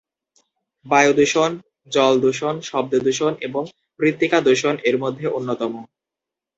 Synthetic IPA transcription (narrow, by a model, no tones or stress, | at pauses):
bajod̪uʃon | d͡ʑɔld̪uʃonʃɔb̚d̪od̪uʃoneboŋ | pɾit̪ːikad̪uʃoneɾmod̪ʱːeʔonːot̪ɔmo